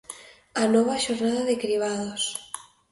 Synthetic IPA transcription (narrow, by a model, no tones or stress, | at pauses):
anɔβ̞aʃoɾnaðaðekɾiβ̞aðos